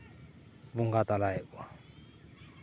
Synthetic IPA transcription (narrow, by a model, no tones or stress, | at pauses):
βuŋɡat̪alaɛʔwa